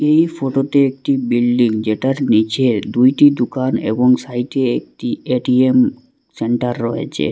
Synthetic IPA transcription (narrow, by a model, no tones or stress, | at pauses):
ejfʰoʈot̪eek̚ʈibilɖiŋd͡ʑeʈaɾnit͡ɕʰed̪ujʈid̪ukanḛboŋsajteek̚ʈieʈiem | seɳʈaɾːɔɦḛt͡ɕʰḛ